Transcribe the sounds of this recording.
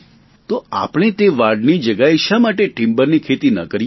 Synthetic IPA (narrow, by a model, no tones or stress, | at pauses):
t̪oa̰pɽ̃it̪eʋaɽnid͡ʒəɡaeʃamaʈeʈimbəɾnikʰet̪inə̰kəɾ